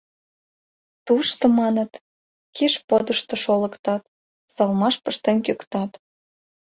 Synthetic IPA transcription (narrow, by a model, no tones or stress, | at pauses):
t̪uʃt̪ŏmɑnə̆t̪ | kʰeʃpod̪əʃt̪ŏʃolə̆kt̪ɑt̪ | sɑlmɑʃpəʃt̪enkøkt̪ɑt̪